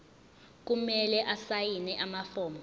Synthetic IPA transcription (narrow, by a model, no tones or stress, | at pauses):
k̬ʼumɛlɛʔasajinɛʔamafɔːmɔ